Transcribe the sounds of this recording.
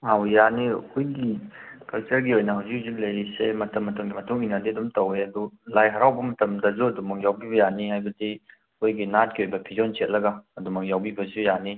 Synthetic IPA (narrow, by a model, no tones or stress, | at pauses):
hawjanḭkʰojɡikɐlt͡ʃɐɾɡiojnɐɦawzikhazik̚lɐjɾisemɐtɐmːɐtɐmɡimɐtʰuŋinadiɐdumtɐweɐdulajɦɐɾawbɐmɐtɐmdɐzuɐdumɐk̚jawbibɐjanihajbɐdi | kojɡinat̚ɡiojbɐpʰizɔnset̚lɐɡaɐdumɐk̚jawbibɐzujani